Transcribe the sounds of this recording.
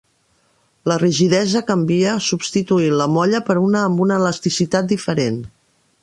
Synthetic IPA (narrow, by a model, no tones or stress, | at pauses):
ləriʒiðɛzəkəmbiəsubst̪it̪uiləmɔʎəpəɾunəːmbunəːləst̪isit̪at̪̚d̪ifəɾen